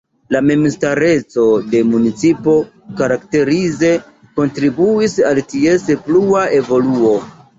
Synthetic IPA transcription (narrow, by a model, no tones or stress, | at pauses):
lamemstaɾe̞t͡so̞de̞munit͡sipo̞ | kaɾakte̞ɾize̞ | ko̞ntɾibuisaltiespluae̞vo̞luo̞